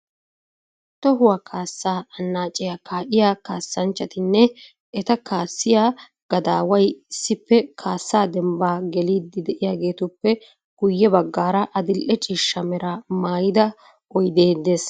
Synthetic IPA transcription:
t̪ɔɦʊwɐkʰaːsːaːɐnːaːt͡ʃʼːɛjakaːʔɪjaːkaːsːɐnt͡ʃːɐt̪ɪnːɛ | ɛt̪ɐkaːsːɪjaː | ɡ̥ɐd̪aːwɐjɪsːɪpːɛkʰaːsːaːd̪ɛmbaːɡɛliːd̪ɪd̪ɛʔɪjaːɡe̞ːt̪ʊpːɛ | ɡ̥ʊjːɛbɐɡːaːɾɐʔɐd̪ɪlʔɛt͡ʃʼiːʃːɐmɛɾɐmaːjɪd̪ɐ | ʔɔjd̪eːd̪ːe̞ːs

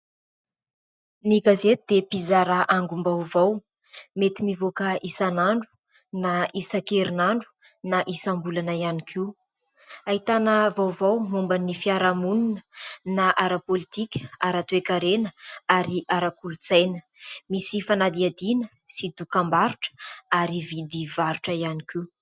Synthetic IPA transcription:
niɡazet̪ud̪̥epizaɾaʔaŋɡumbawvaw | met̪imivokəʔisanaɳɖ͡ʐu̥ | naisakeɾinaɳɖ͡ʐu̥ | naʔisambulanajanikʰiw | aɦit̪anəvawvawmumbanifiaɾamuninənaʔaɾapolit̪ikʲə̥aɾat̪uekaɾenəaɾiʔaɾakulut͡sajnə̥ | misifanad̪iad̪inə | sid̪ukambaɾuʈ͡ʂə̥aɾivid̪ivaɾuʈ͡ʂəianiki

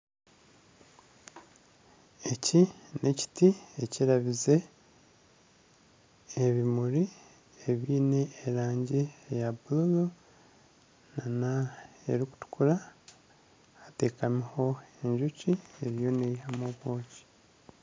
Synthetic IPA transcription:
e̞cine̞ci̥tieciɾaβize̞ | βimuɾi | e̞βiːne̞ːɾaːɲɟiejabululu | nanae̞̰ɾiku̥tu̥kuɾa | te̞ːkamiho̞e̞ɲʒucie̞ɾijo̞neihamoβo̞ːci̥

